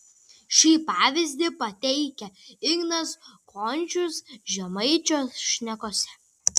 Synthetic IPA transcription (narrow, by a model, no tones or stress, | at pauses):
ʃʲiːpɑːʋʲɪzʲd̪ʲɪpɐt̪ʲɛɪkʲɛɪɡnɐskʰoːnʲˑt͡ʃʲʊsʒʲɛmɐɪt͡ʃʲoːsʃʲnʲɛkoːsʲɛ